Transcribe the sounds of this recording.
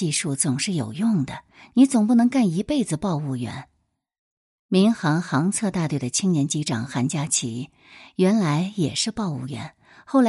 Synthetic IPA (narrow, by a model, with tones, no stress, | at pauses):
i˥˧ʂu˥˩t͡sʊ˨˩ŋʂɻ̩˥˩jo̰˨˩ʊjʊ˥˩ŋd̪ə˩ | ni˧˥t͡sʊ˨˩ŋp̬u˥˩nɤ˧˥ŋka˥˩ni˧˥pe˥˩ɪd͡zɹ̩˩pɑ˥˧ʊu˥˩ɥɛ̰˧˥n | mi˧˥ŋxɑ˧˥ŋxɑ˧˥ŋt͡sʰɤ˥˧t̪a˥˧t̪we˥˩ɪd̪ə˩t͡ɕʰi˥ŋnjɛ˧˥nt͡ɕi˧˥ʈ͡ʂɑ̰˨˩ŋxa˧˥nt͡ɕja˥t͡ɕʰḭ˧˥ | ɥɛ˧˥nla˧˥ɪjɛ˨˩ʂɻ̩˥˧pɑ˥˧ʊṵ˥˩ɥɛ̰˧˥n | xo˥˩ʊla˧